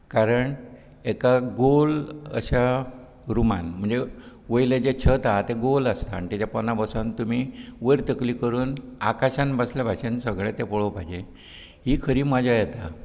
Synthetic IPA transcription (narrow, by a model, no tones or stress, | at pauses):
kaɾəɳ | ekaɡolə̰ɕa | ɾumanm̤əɳd͡ze | ʋəjled͡ʑet͡ɕʰət̪at̪eɡoləst̪aːɳit̪at͡ɕjapɔnːabəsãnt̪um̤iʋəɾt̪əkliːkəɾuːnakaɕãnbəslabʱaɕənsəɡɭẽt̪epɔɭopajd͡ʑe | ɦiːkʰəɾiːmad͡ʑʱajɛt̪a